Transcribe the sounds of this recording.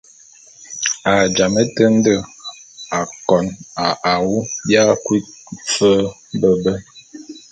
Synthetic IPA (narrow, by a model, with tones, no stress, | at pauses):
a˨d͡ʒa˨mə˦tə˦n̩˦də˦˨ | a˨kɔ˨na˨ʔa˨wu˦bja˦kwi˦t̚fə˦bə˦bə˦